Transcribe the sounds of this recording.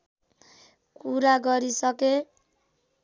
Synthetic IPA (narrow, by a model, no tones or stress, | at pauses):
kuɾaɡʌɾisʌke